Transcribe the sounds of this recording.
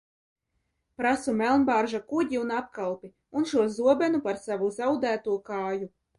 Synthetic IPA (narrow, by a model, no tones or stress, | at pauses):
pɾasumɛlˠnbaːɾʒakuɟiunap̚kalˠpi | unʃuɔzuɔbɛnupaɾsavuzawd̪æːt̪uɔkaːju